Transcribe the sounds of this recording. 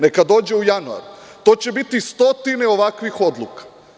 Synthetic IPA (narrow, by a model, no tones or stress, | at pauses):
nekad̪o̞ːd͡ʑeujanua̰ɾu | t̪o̞ːt͡ɕebit̪ist̪o̞t̪ineo̞ʋakʋixo̞d̪lˠukḁ